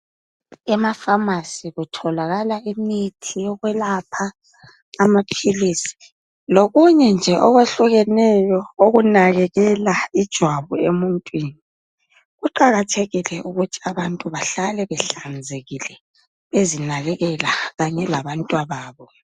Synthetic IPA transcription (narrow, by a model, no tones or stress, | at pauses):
ɛmafamasiɣutʰɔlaɣalaimitʰijɔɣwɛlapʰaː | mapʰilisi̥ | loɣuɲɛnd͡ʒʱɛʔɔɣweɬuɣɛnɛjɔoɣunaɣɛɣɛlaid̥ʒ̥ʱwaβuemuntʼwini | ɣuǃaɣatʰeɣilɛʔuɣutʰiaβantʼuβaɬalɛβɛɬand͡zʱeɣilɛ | βezinaɣɛɣɛlaɣaɲɛlaβantʼwaβaːβɔ